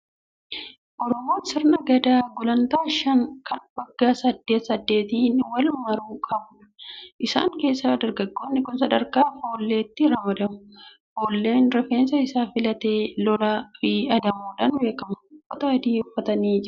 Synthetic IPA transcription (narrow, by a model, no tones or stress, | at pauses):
ʔɔɾɔmo̞ːsɪɾnɐɡɐd̪aːɡʊlɐnt̪aːʃɐŋkʰɐnbɐɡːaːsɐd̪ːe̞ːt̪sɐd̪ːe̞ːt̪iːnːwɐlmɐɾuːkʼɐbʊᶑɐ̥ʔɪsa̰ːŋke̞ːsːaːd̪ɐɾɡɐɡːo̞ːnːɪkʊnsɐd̪ɐɾkaːfo̞ːlːe̞ːt̪ːɪɾɐmɐd̪ɐmʊ | hoːlːe̞ːnɾɛfeːnsɐɪsaːfɪlɐt̪e̞ːlɔlafɪɐd̪ɐmuːᶑɐnbe̞ːkɐmʊɔt̪ɐɐd̪iːʊfːɐt̪ɐniːd͡ʒɪɾ